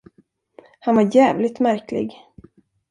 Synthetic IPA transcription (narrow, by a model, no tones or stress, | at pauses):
hanvaɾjæːvlɪt̪mæɾklɪ̰ɡ